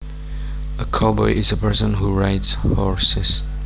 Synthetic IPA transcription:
əkʰɑbɔɪʔɪzəpʰɜɹsə̃nɦuɹaɪtshɔɹsɪz̥

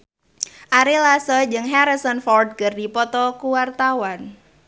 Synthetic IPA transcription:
ʔaɾelasɔd͡ʒɨŋɦaɾisɔnfɔrd̚kərdipɔt̪ɔkuwart̪awan

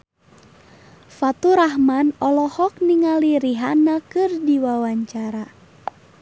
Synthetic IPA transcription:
fat̪uɾahmanɔlɔhɔk̚niŋaliɾiɦanakɨrdiwawaɲt͡ʃaɾa

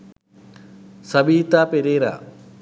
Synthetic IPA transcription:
sɐbiːt̪aːpeɾeːɾa̰ː

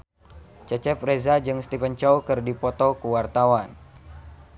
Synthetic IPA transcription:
t͡ʃət͡ʃɛp̚rezad͡ʒɨŋst̪ifənt͡ʃɔwkɨrdipɔt̪ɔkuwart̪awan

